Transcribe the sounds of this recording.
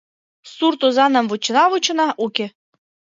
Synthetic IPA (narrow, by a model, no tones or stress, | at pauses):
suɾrt̪uzɑnɤ̆mvut͡ɕɤ̆nɑvut͡ɕɤ̆nɑʔukʲe